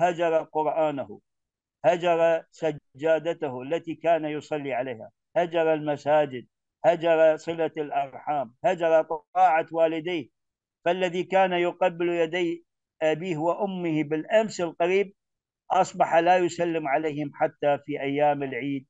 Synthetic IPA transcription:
had͡ʒɑɾˤɑqʊɾʔaːnʊhʊ̰ | had͡ʒɑɾˤɑsad͡ʒːaːd̪at̪ahʊʔalːat̪iːkaːnajʊsˤɑlːiʕaleːha̰ | had͡ʒɑɾˤɑlmasaːd͡ʒɪd̪̚ | had͡ʒɑɾˤɑsˤɨlalʔɑɾˤħaːmhad͡ʒɑɾˤɑt̪ˤɨɑːʕawaːlɪd̪aːh | falːaðiːkaːnajʊqɑbːɪljad̪aj | ʔabiːhwaʔʊmːɪhbɪlʔamsɪlqaɾiːb̚ | ʔɑsˤbɑħalaːjʊsalːɪmʕaleːhɪmħat̪ːafiːʔajːaːmɪlʕiːd̪̚

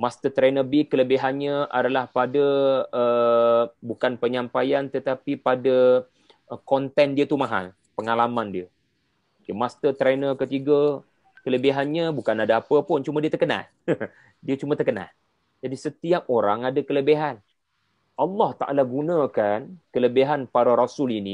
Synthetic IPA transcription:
mast̪ət̪ɾenəbikːələbiɦanɲaʔadalahpadaə | bukanpəɲãmpajant̪ət̪apipada | əkɔnt̪ɛndiət̪umaɦa̰l | pəŋalamandiə | mukemast̪ət̪ɾenəkət̪iɡə | kələbiɦanɲabukanadaapəpʊnt͡ʃumadiət̪ərkəna̰l | diət͡ʃumat̪ərkəna̰l | d͡ʒadisət̪iap̚oɾaŋadakələbeɦan | ʔɑlːɑht̪aʔa̰laɡunãkankələbiɦanpaɾaɾasʊlini

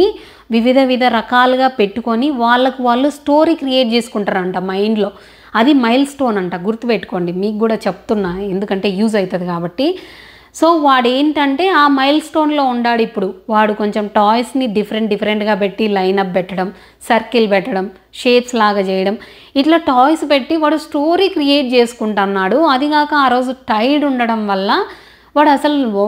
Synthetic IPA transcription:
i | ʋiʋid̪ʱɐʋid̪ʱɐɾɐkaːluɡaːpe̞ʈːuko̞niʋaːɭːɐkuʋaːɭːusʈo̞ːɾikɾije̞ːʈ̚t͡ʃe̞ːsu̥kuɳʈaːɾɐɳʈaːmɐjɳɖlo̞ː | ɐd̪imɐjlsʈo̞ːnɐɳʈaːɡuɾt̪ːupeʈːu̥ko̞ːɳɖimiːkɡuːɽaːt͡ʃepu̥t̪unːaːe̞nd̪ukɐɳʈe̞ːjuːzɐjit̪ɐd̪ikaːbɐʈːi | so̞ːʋaːɽe̞ːnʈɐɳʈe̞ːaːmɐjlsʈo̞ːnlo̞ːuɳɖaːɽuipːuɽuʋaːɽuko̞ɲt͡ʃemʈaːjsniɖifʰɐɾeɳʈɖipʰɐɾeɳʈɡaːp̬e̞ʈːilɐjnɐp̚bɛʈːɐɽɐm | sɐɾkilpɛʈːɐɽɐm | ʃeːʈslaːɡaːt͡ʃɛːjɐɽɐm | iʈlaːʈaːjspeʈːiʋaːɽusʈoːɾiːkɾijeːʈ̚t͡ʃeːsu̥kuɳʈanːaːɽuɐd̪iɡaːkɐaːɾo̞ːd͡ʒuʈɐjɖuɳɖɐɽɐmʋɐlːɐ | ʋaːɽuɐsɐlu

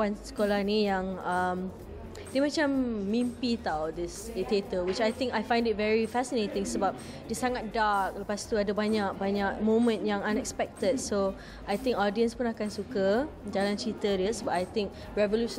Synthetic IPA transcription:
ansə̥kolahnijãŋəm | dimat͡ʃamːĩmpit̪awdɪsdit̪et̪əwɪt͡ʃajt̪ɪ̃ŋkajfãj̃ndɪt̚vɛɹifɛsinet̪ɪ̃ŋsəbap̚ | disaŋat̪̚dak̚ləpast̪uadəbaɲak̚baɲak̚mõmə̃ntjãŋãnɛkspɛk̚t̪ədso | ajt̪ɪ̃ŋkɔdiə̃nspũnakansukəd͡ʒalãnt͡ʃit̪ədəsəbapajt̪ɪ̃ŋk̚ | ɹɛvoluʃ

